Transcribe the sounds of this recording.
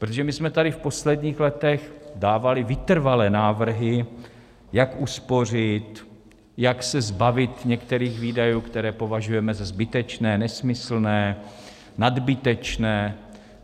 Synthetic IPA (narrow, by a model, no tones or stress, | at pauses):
pɾot̪oʒɛmɪsmɛt̪adɪfpo̞slɛdɲiːxlɛt̪ɛxdaːvalɪvɪt̪r̩valɛːnaːvr̩ɦɪ | jakuspo̞r̝ɪt̪ | jaksɛzbavɪt̪ɲɛkt̪ɛɾiːxviːdajuːkt̪ɛɾɛːpo̞vaʒujɛmɛzazbɪt̪ɛt͡ʃnɛːnɛsmɪsl̩nɛː | nadbɪt̪ɛt͡ʃnɛː